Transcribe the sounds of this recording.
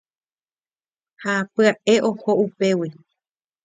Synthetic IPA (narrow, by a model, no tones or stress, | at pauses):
hapɨaʔe̞ʔohoupe̞wi